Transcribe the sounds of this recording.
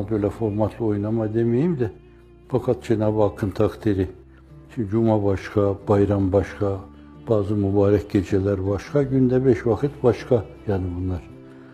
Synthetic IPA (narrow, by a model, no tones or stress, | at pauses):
bøjlʲɛfo̞ɾmat̪ʰlˠɯo̞jnamad̪emejimd̪ɛ | fakʰat̪̚d͡ʒenaːbɯakʰːɯnt̪ʰakt̪ʰiɾi | t͡ʃʰid͡ʒumabaʃkʰab̥ajɾambaʃkʰa | b̥aːzɯmubaːɾɛc̚ɟed͡ʒɛlʲæɾbaʃkʰaɟynd̪ɛbɛʃvakʰɯt̪baʃkʰajaːnibunlˠaɾ̥